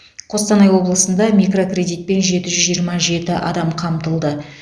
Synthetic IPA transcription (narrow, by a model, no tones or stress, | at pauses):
qʰo̞st̪ɑnɑjwo̞blˠəsənd̪ɑmijkro̞krʲe̞d̪ijt̪̚pe̞nʒe̞t̪ɪʒʏzʒijəɾmɑʒe̞t̪ɪʔɑ̰d̪ɑmqʰɑmt̪əlˠd̪ə